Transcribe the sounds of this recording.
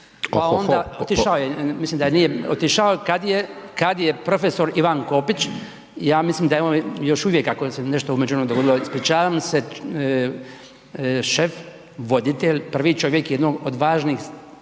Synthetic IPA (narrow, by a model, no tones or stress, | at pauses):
paond̪aot̪iʃaojemislimd̪ajenijeot̪iʃaokad̪jekad̪je̞pɾo̞feso̞ɾiʋanko̞pit͡ʃ | jaːmisliːmd̪ajeonjo̞ʃuʋjekakoseneʃt̪oumed͡ʒunomud̪oɡo̞d̪iloispɾit͡ʃaːʋamse | ʃef | ʋo̞d̪it̪eʎʲpr̩ʋiːt͡ʃo̞ʋjekjed̪noɡod̪ʋaːʒniːx